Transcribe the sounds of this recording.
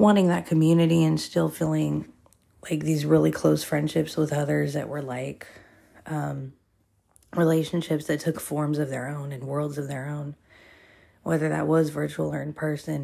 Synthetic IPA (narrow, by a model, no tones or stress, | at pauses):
wɑ̃ɾ̃ɪ̃ŋðɨt̚kʰɨmjʉnɨɾiɨ̃nstɪlˠfilˠɪ̃ŋ | laɪk̚ðizɹɪlˠikʰl̥oʊsfɹɛ̃nd̥ʃɪpswəðʌðə˞zðɨ̰ʔwə˞laɪk | ʔʌ̃m | ɹileɪʃɨ̃n̩ʃɪpsðɨtʰʊkfɔɹmzʌvðə̰˞õʊ̃nɨ̃nwɜ˞lˠdzʌvðə˞õʊ̃n | wɛðə˞ðɨ̰ʔ̚wʌzvɜ˞t͡ʃul̩ˠə˞ɨ̃npʰɜ˞sɨ̃n